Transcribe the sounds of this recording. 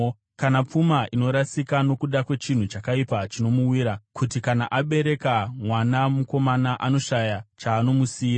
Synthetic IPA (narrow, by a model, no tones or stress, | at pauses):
kanap͡fumaʔino̞ɾasikano̞kuɗakwe̞t͡ʃin̤ut͡ʃakaipat͡ʃino̞muwiːɾakʰutikanaʔaɓe̞ɾe̞kamwanamuko̞manaʔano̞ʃajat͡ʃaːno̞musiːɾa